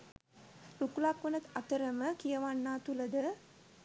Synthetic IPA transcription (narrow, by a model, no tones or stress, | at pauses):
ɾukulakʋənət̪at̪əɾəməkijɐʋanːaːt̪uləd̪ə